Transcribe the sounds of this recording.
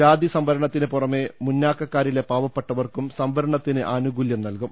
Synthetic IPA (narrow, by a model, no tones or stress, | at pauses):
aːd̪isɐmbɐɾɐɳɐt̪ːinɨpurɐme̞munːaːkːɐkːaːɾile̞paːʋɐpːeʈːɐʋɐrkumsɐmbɐɾɐɳɐt̪ːinɨʔaːnuɡuljɐmnɐlkum